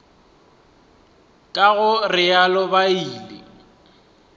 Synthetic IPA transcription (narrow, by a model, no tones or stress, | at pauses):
kʼaɣʊrɪalɔbaiːlɪ̰